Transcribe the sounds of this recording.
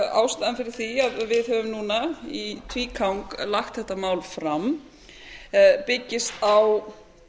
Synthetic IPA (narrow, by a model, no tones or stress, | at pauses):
a̰wst̪aðanfɪɾɪɾ̥θiaðvɪðhœvʏmnuːnait̪ʰviːkʰawŋklaxt̪θɛht̪ːamaːwlfɾam | pɪcːɪst̪aw